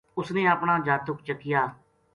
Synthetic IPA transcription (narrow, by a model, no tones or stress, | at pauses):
ʊsneːapɳ̃aːd͡ʒaːt̪ʊkt͡ʃəkːɪjaː